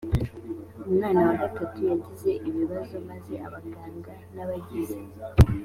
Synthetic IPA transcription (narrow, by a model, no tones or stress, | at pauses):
umnaːnawaɡatatujaɟize̞ʔiβiβazo̞maze̞a̰βaɡaːŋɡanaβaɟizi